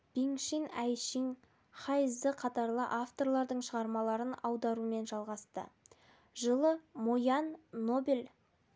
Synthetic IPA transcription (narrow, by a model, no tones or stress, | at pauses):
b̥iŋʃinæjʃiŋ | χɑjəzd̪əqʰɑt̪ɑɾlˠəʔaft̪o̞ɾlˠɑɾd̪əɴʃəʁɑɾmɑlˠɑɾənɑwd̪ɑɾume̞nʒɑlˠʁɑst̪ə̰ | ʒəlˠəmojɑnːobel